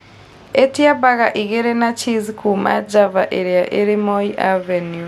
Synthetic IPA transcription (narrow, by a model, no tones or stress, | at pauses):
etiabaɣaʔiɣeɾɛnat͡ʃizikʰuma̰d͡ʒavaʔeɾiaʔeɾimoiʔavenju